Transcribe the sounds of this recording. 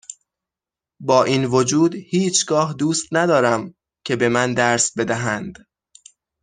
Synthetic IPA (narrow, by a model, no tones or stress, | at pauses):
bɒːʔiːnvod͡ʒuːd̪hiːt͡ʃʰɡɒːhd̪uːst̪næd̪ɒːɾæm | cʰe̞be̞mænd̪æɾsbe̞d̪æɦænd̪̥